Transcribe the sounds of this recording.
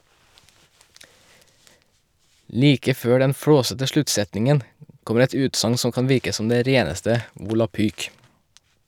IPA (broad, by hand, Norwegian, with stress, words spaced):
ˈliːkə ˈføː ˈɖɛn ˈfɽoːsətə ˈʃlʉtˌsɛtnɪŋən ˈkɔməɾ ˈɛt ˈʉːtsɑŋ ˈsɔm ˈkɑn ˈʋɪɾkə ˈsɔm ˈdeː ˈɾeːnəstə ʋʊlɑˈpyːk